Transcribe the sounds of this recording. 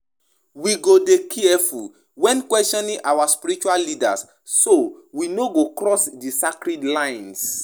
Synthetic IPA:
wiɡodekʰiɛful | wɛ̃nkwɛstɔ̃nĩŋʔawaspiɾit͡ʃuallida̰sː | owinoɡokɾɔsdisakɾidlãjns

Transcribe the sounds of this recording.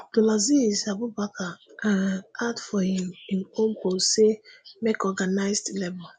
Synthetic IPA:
dolazizabubakaanadfɔhimĩnomkosemekɔɡanaɪsdlɛbɔl

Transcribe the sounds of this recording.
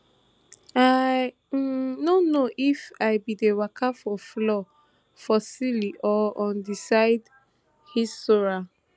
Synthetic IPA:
a | nonoʔifaɪbidewakafɔflɔ | fɔsiliʔɔɔ̃ndisaɪd | histoɹa

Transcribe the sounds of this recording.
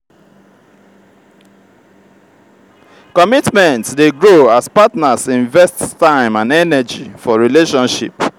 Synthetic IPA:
kɔmitmɛ̃ntdeɡɹoaspatnasĩɱvɛsttãɪ̃mãnɛnɛd͡ʒifɔɹileʃɔ̃nʃḭp

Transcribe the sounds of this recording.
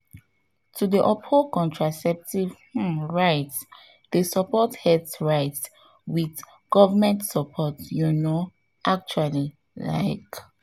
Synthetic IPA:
tʰudiʔɔphokɔ̃ntʰɹasɛp̚tivh̩ɹaɪts | desəpɔthɛdsɹaɪts | wiθ | ɡ̥ɔvəmɛ̃ntsəpʰɔtjuno | ʔak̚t͡ʃuali | la̰ɪk

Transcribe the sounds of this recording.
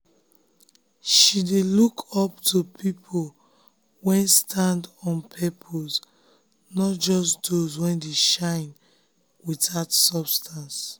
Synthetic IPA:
ʃidelukʰɔptʰupʰipʰol | wɛ̃nstʰãndɔ̃npʰɛpʰos | nɔt̚d͡ʒɔsdozwɛ̃ndeʃãɪ̃n | witatsɔbstʰãns

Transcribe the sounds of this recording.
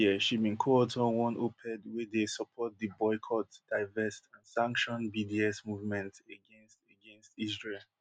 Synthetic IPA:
jɛʃibĩnkʰɔɔtʰɔ̃wɔ̃nʔopʰɛ̃dwɛdesɔpʰɔt̚ðibɔɪkʰɔtd̥aɪvɛstãnsãŋkʃɔ̃nbidiɛsmuvmɛ̃ntəɡɛ̃nstəɡɛ̃nstis̬ɹel

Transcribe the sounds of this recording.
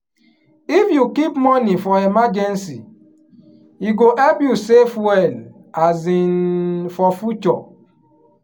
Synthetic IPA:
ifjukipmɔnifɔemad͡ʒensḭ | iɡoʔebjusefwɛl | azinfɔfut͡ʃɔ̰

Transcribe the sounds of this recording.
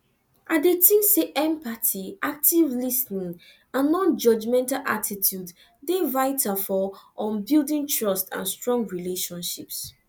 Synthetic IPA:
ʔadetĩnseʔɛ̃mpatiʔak̚tivlisnĩŋ | ãnːɔ̃nd͡ʒɔd͡ʒmɛ̃ntalʔatʰitʰjud | devaɪtafɔɔ̃nbildĩntʰɹɔstã̰nstɹɔ̃ŋɡɹileʃɔ̃nʃips

